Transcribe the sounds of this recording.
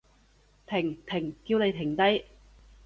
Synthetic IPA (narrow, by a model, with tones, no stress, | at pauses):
t̪ʰɪ˨˩ŋt̪ʰɪ˨˩ŋkiː˧wne˨˧jt̪ʰɪ˨˩ŋt̪ɐ˥j